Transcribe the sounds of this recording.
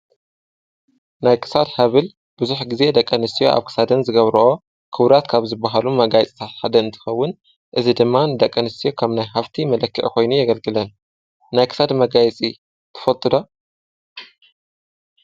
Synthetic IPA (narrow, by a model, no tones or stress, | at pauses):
najkʰɨ̥sad̪hɐβɨl | b̥uzuħɡize̞d̪ɐkʼːɐnɨst̪ijo̞̰ʔa̰βkʰɨ̥sad̪ɐnzɨɡɐβɾɐʔo | kʰɨβɾat̪kʰaβzɨbːaɦalumɐɡajɛt͡sʼit̪ʰat̪ħad̪ɐɨnt̪ʰɨ̥xɐwːʊn | ʔɨzid̪ɨmːanɨd̪ɐkʼːɐnɨst̪ʰijo̞kʰɐmnajɦaft̪ʰimɐlɐkːiʔkʰo̞jnujɐɡɐlɡɨlɐn | najkʰɨ̥sad̪mɐɡajɛt͡sʼi | t̪ʰɨ̥fɐt̪ʼɨd̪o